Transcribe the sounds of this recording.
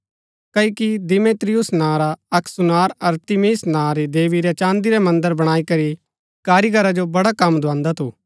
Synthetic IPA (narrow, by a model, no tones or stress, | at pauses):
kɐikid̪ɪmeːt̪ɾɪjʊsnãːɾaɐksʊnaːɾɐɾt̪ɪmiːsnãːɾid̪eːʋiɾɛt͡ʃãːnd̪iɾɛmɐ̃nd̪əɾbɐɽ̃aːikɐɾi | kaːɾiɡʱɐɾad͡ʒobɐɽakɐmːd̪ʊãːnd̪at̪ʰuː